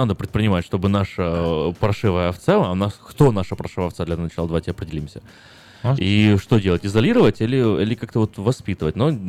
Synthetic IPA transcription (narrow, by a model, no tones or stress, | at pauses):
nad̪əpɾʲɪt̪̚pɾʲɪnʲɪmatʲʂt̪o̞bɨnaʂəpɾɐʂɨvəjəɐft̪sanaskt̪onaʂəpɾɐʂɨvəft̪sad̪lʲɐnɐt͡ɕalˠd̪ɐvatʲɪɐpɾʲɪdʲɪlʲimsʲə | iʂt̪o̞dʲelˠətʲɪzɐlʲiɾəvətʲilʲɪḭlʲɪkak̚t̪əvo̞t̪vɐspʲit̪əvətʲno